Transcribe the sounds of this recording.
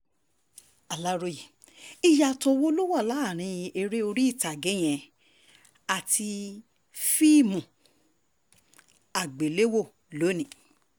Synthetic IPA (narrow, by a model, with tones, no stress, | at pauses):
a˨la˦ɾo˦je˨ | i˧ja˧to˧wo˦lu˦wa˦˨la˨˦˨ɾ̃ĩ˨˧jĩ˧ʔe˧ɾe˦o˧ɾi˦i˦˨ta˨ɡe˨˦j̃ɛ̃˧ | a˨tʰi˧ | fi˦˨mũ˨ | a˨ɡ͡be˨le˦wo˦˨ | lo˨˦nĩ˨